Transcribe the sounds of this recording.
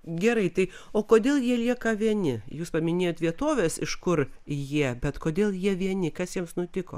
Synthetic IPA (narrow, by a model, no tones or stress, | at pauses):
ɡʲɛɾɐɪt̪ɐɪ | oːkoːd̪ʲeːlˠjiɛlʲiɛkɐʋʲiɛnʲɪjuːspɐmʲɪnʲeːjoːt̪ʋʲiɛt̪oːʋʲeːsɪʃkʊrjiɛbʲɛt̪koːd̪ʲeːlˠjiɛʋʲiɛnʲɪkɐsjiɛmsnʊt̪ʲɪko̰ː